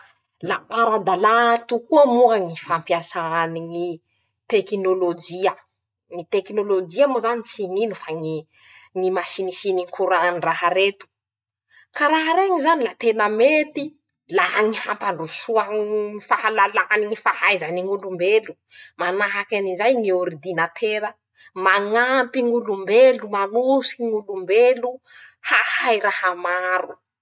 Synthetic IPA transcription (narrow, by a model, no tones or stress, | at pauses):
laʔaɾad̪alat̪ukuəmuaŋifampiasaaniŋi | t̪ekinolod͡ʒiə | ŋit̪ekinolod͡ʒiamozanit͡sininufaŋi | ŋimasinisiniŋkʰuɾaniraɦaɾet̪u̥ | kaɾaɦaɾeŋizanilat̪enəmet̪i | laŋihampaɳɖ͡ʐusuaŋifahalalaniŋifahajzaniŋulumbelu | manaɦakanizajŋioɾid̪inat̪ʰeɾə | maŋampiŋulumbelumanusiŋulumbelu | hahajɾahamaɾu